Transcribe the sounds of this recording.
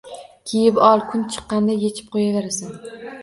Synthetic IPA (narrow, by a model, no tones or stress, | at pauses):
kʲʰejɪpɒlˠkʰʊnt͡ʃʰɨ̥qːɑnd̪ajet͡ʃʰɪ̥p̚qʰojaveɾasan